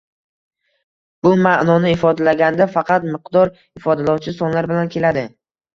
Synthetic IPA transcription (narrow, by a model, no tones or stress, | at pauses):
b̥ʊmaʔnɒnɪɪfɒd̪alaɡʲand̪afɑqʰɑt̪mɪqd̪ɒɾ | ɪfɒd̪alawt͡ʃʰɪsɒnlaɾbɪlankʲʰe̞lad̪ɪ